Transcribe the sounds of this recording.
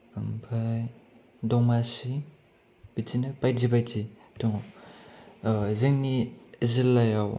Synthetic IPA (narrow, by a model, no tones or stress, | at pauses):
mbʰaj | dɔŋmasi | b̥izinapajzibajzi | dɔŋ | zeŋnizilːajaw